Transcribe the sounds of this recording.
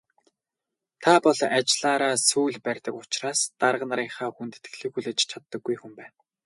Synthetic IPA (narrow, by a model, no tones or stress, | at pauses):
t̪ʰapɔɮat͡ɕɮaːɾaːsuːɮpærʲt̪ə̆kʊt͡ɕraːst̪aɾʁ̆naɾiːŋχaːxunt̪ɘ̥̆t̪ɘ̥̆xɮɘ̆xuɮeːt͡ɕt͡ɕʰat̪ːə̆ɡːujxumpæːn